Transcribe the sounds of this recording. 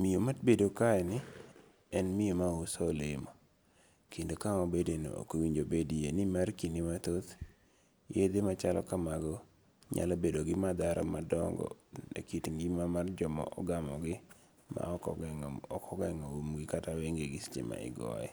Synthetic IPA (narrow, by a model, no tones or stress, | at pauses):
mijomad̚bedokaɛnɪ | ɛnmijomausolemo | kendokaŋobedeno̰kowiɲd͡ʒobedienɪmarkinɪmat̪ot̪ | jḛd̪emat͡ʃalɔ̰kamaɡɔ | ɲa̰lɔbedoɡɪmad̪aɾa̰madɔŋɡɔ̰na̰kitŋɡimamard͡ʒɔmɔ̰ʔɔ̰ɡamɔɡɪ | ma̰ɔɔɔkɔɡɛŋoumɡɪkataweŋɡeɡɪst͡ʃɪ̰ma̰ɪ̰ɡɔ̰ɛ̰